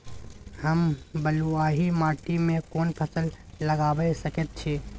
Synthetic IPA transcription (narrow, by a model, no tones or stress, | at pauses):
həmbəluaɦimaʈimekonpʰəsəlːəɡabɛsəket̪̚t͡ʃʰi